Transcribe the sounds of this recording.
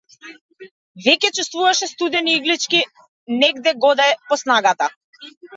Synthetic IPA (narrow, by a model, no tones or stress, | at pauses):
vɛcɛt͡ʃust̪vuvaʃɛst̪ud̪ɛniiɡlit͡ʃkʲi | nɛɡd̪ɛɡɔd̪aɛpɔsnaɡat̪a